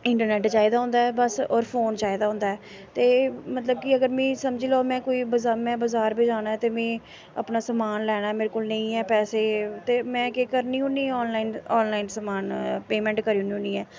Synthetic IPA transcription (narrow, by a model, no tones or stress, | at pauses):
ɪɳʈəɾnɛːʈt͡ʃaːid̪aːɦʊ̃nd̪aːɛːbəsɔːɾpʰoːnt͡ʃaːid̪aːɦʊ̃nd̪aːɛː | t̪eːmət̪ləb̚kɪəɡəɾmɛ̃ːsəmd͡ʒiːloːmɛ̃ːkoːiːbəzaːmɛ̃ːbəzaːɾbeːd͡ʒaːñaːɛt̪eːmɛ̃ː | ə̰pnaːsəmaːnlɛːɽ̃aːmeːɾekoːlnẽĩːɛːpɛːseːt̪eːmɛ̃ːkekəɾniːʊ̃nĩːɔːnlaːɪnɔːnlaːinsəmaːnpeːmɛ̃ːɳʈkəɾiːniɦʊ̃niːɛː